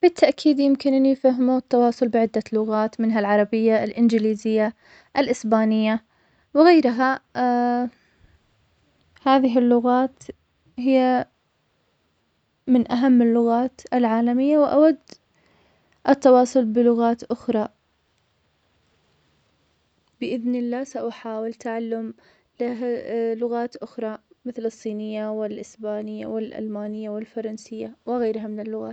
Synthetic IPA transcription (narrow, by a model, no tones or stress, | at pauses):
b̥ɪt̪ʰːaʔkʰiːd̪jɪmkɪnʔɪnːijfaɦmut̪ːɑwɑːsˤʊlbɪʕɪd̪ːalʊɣaːt̪mɪnɦalʕɑɾˤɑbɪjːalʔɪnd͡ʒɪliːzɪjːa | ʔɪlʔɪsbaːnɪjːa | wɪɣajɾɦa | haːðɪɦɪlːʊɣaːt̪ | ɦɪjːa | mɪnʔaɦamːɪlːʊɣaːt̪ʔɪlʕaːlamɪjːawɪʔa̰wad̪ː | ʔɪt̪ːɑwɑːsˤʊlbɪlʊɣaːt̪ʔʊxɾˤɑ | bɪʔɪðnɪlːaːsaʔaħaːwɪlt̪aʕalːʊm | lalʊɣaːt̪ʔʊxɾˤɑmɪθlɨsˤːiːnɪjːawɪlʔɪsbaːnɪjːa̰wɪlʔa̰lmaːnɪjːawɪlfɑɾˤɑnsɪjːawɪɣajɾɦamɪnɪlːʊɣa̰ːt̪